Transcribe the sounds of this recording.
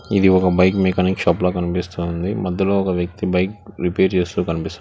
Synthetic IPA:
id̪iɔkɐbɐjkmeːkaːnikiʃaːploːkɐnipist̪und̪imɐd̪ːɐloːɔkɐʋjɐk̚t̪ibɐjkɾipeːɾt͡ʃe̞ːst̪uːkɐnipist̪u

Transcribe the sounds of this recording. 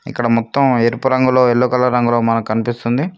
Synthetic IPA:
ḭkːɐɽɐmɔt̪ːɐmeɾpuɾɐŋɡuloːeɭːukɐlːɐɾɐŋɡuloːmɐnɐkkɐnipist̪und̪i

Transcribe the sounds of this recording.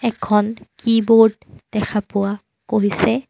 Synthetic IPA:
ɛkʰɔnkibodd̥ɛkʰapʊa | koɦisɛ

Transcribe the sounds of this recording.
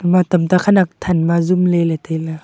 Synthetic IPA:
matamtakʰanak̚tʰanmazumlelatela

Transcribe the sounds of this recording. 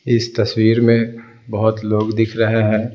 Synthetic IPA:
ɪst̪ɐswiːɾmẽ | bɐɦʊt̪loːɡd̪ɪkʰɾɐɦeɦɛ̃ː

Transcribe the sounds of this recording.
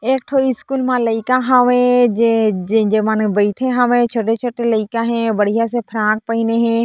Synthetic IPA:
eːk̚ʈʰoːiɪskuːlmãlɐikãɦãʋẽd͡ʒed͡ʒẽd͡ʒemãnbɐɪʈʰẽɦãʋẽt͡ʃʰoːʈet͡ʃʰoːʈelɐɪkãɦɛ̃bɐɽ̤ijasepʰɾãːk̚pɐineɦẽː

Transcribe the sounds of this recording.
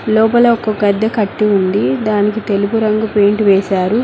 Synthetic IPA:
lɔːpɐlɐɔkɐɡɐd̪ːɐkɐʈːiund̪id̪aːnikit̪e̞lupuɾɐŋɡupeːɳʈʋɛːsaːɾu

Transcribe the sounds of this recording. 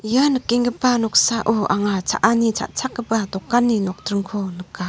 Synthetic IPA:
janɯkːeŋɡəpːanɔk̚saʔuʔaŋat͡sʰa̰ʔanit͡ʃʰa̰ʔt͡sʰak̚ɡəpat̪ɔkːanːinɔk̚tɾɯŋkʰɔnɯkːa

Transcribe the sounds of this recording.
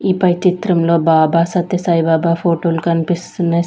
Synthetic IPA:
iːpɐjt͡ʃit̪ɾɐmlo̞ːbaːbaːsɐt̪jɐsaːjbaːbaːpʰoːʈoːlukɐnipist̪uneː

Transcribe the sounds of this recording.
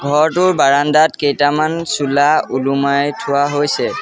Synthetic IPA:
ɡʱɔɹtʊɹbaɹandatkejtamansulaulumajtʰʊwaɦojsɛ

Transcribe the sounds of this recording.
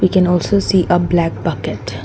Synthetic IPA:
ʋikɛ̃nɔːlsoːsiːʔəblæk̚b̥ʌkɪʈ

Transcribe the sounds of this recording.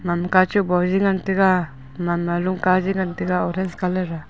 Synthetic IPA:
mamkat͡ʃubɔd͡ʒiŋant̪ika | mamaluŋkad͡ʒiŋant̪iɡaɔɾɛnskalɛɾa

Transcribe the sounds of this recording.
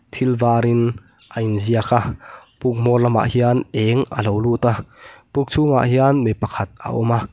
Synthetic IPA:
t̪ʰilvaːɾin | ʔajinziakʰapuk̚m̥ɔrlɐma̰ʔhianɛŋʔə̰lowluːt̪apuk̚t͡sʰuŋa̰ʔɦianmejpɐkʰɐt̪̚ə̰ʔɔma

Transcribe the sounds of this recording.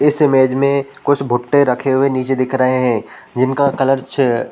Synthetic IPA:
ɪsɪmeːd͡ʒmẽkʊt͡ʃʰbʱʊʈːeɾɐkʰeɦʊeniːt͡ʃed̪ɪkʰɾɐɦeɦɛ̃ːd͡ʒɪnkakɐləɾt͡ʃ

